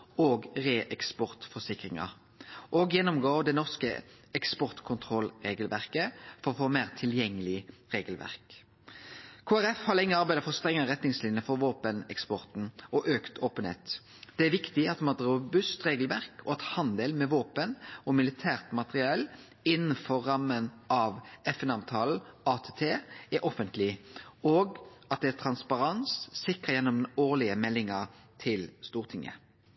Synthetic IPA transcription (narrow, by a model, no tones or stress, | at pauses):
oːɡʁeːʔɛkspɔʁt̪fɔsɪkɾɪŋɑ̰ | ʔoːɡjɛnɔmɡoːʋd̪ɛnɔʁskə̰ | ɛkspɔʁt̪kʰʊnt̪ʰʁɔlʁeːɡəlʋæʁkəfɔɾɔfoːmeːʁt̪ʰɪljɛŋːəlɪʁeːɡəlʋæ̰ʁk | kʰoːæʁɛfhɑːlɪŋːəɑʁbæɪd̪əfɔst̪ʁɛŋːəəʁɛt̪nɪŋslɪnjəfɔɾʋoːpənɛ̰kspɔʁt̪n̩ɔʔøːkt̪ʰoːpənḛːt̪ | d̪̥ɛæʋɪkt̪ɪɑt̪mɑt̪ʁʊbʉst̪ʁeːɡəlʋæʁkʰɔɑt̪hɑnd̪eːlmɛʋoːpənɔmɪlɪt̪ʰæːʁt̪mɑt̪əʁɪɑːl | ɪnːnfɔʁːɑmːənɑʋɛfɛnɑːʋt̪ʰɑːln̩ɑːt̪ʰeːt̪ʰeːɛɾʔɔfənt̪lɪoːɡɑt̪̚d̪ɛæʁt̪ʰɾɑnspɑʁɑnsːɪkʁəjɛnːɔmoːlɪəmɛlːɪŋəʁt̪ʰɪlst̪uːʁt̪ʰɪŋːʔə̰